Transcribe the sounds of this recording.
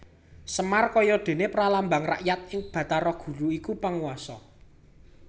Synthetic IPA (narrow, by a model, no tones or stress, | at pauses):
səmarkɔjɔd̪̥e̤nepɾalambaŋra̰ʔjat̪̚ɪŋb̥ä̤t̪aɾɔɡ̥ṳɾuikupaŋwasɔ